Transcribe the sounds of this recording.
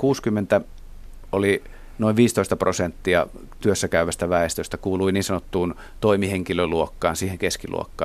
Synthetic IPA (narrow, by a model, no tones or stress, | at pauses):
kuːskymːent̪æ | oli | noiʋʋiːst̪oist̪ɑprosent̪ːiɑ | t̪yøsːækæyʋæst̪æʋæˑest̪øst̪ækuːluiniːnsɑnot̪ːuːn | t̪oimiheŋkiløluokːɑːnsiːheŋkeskilṵo̰kːɑ̰ː